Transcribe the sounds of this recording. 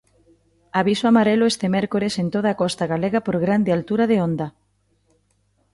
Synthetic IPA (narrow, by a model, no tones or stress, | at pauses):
aβisoamaɾeloest̪emɛɾkoɾesent̪oð̞aːkɔst̪aɣaleɣapoɾɣɾand̪ealt̪uɾaðeond̪a